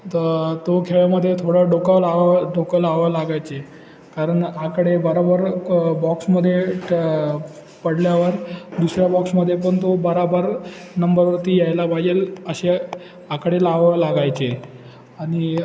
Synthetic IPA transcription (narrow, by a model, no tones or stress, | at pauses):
t̪t̪okʰeɭjaməd̪ʱːjet̪ʰoɽəɖokəlaʋəɖokəlaʋəlaɡajt͡se | kaɾəɳakəɽebəɾobəɾbɔksməd̪ʱːje | pəɽljaʋəɾd̪usɾjabɔksməd̪ʱːjep̬əɳt̪obəɾabəɾ | nəmbəɾʋət̪iːjajlabaɡeləɕe | akəɽelaʋəlaɡajt͡se | aɽ̃i